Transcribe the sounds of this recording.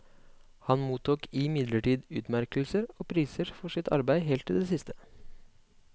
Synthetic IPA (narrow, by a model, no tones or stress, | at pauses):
hɑnmuːt̪uːkʰɪmɪd̪ləʈiːd̪ʉːt̪mæɾkəl̩səɾoːpʰɾiːsəɾfɔʂɪt̪ʰɑ̰ɾbæɪɦeːlt̪ʰːɪld̪eːsɪst̪ʰə̥